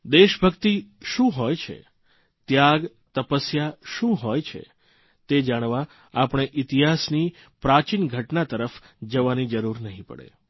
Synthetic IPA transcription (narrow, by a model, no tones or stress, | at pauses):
d̪eʃbʱəkt̪iʃũɦɔjt͡ʃʰḛ | t̪jaɡ | t̪əpəsjaʃũɦojt͡ʃʰḛ | t̪ed͡ʒaɽ̃ʋa | apɳ̃eʔɪt̪iɦasni | pɾat͡ʃinɡʱəʈnat̪əɾəf | d͡ʒəʋanid͡ʒəɾuɾnəɦĩpə̰ɽḛ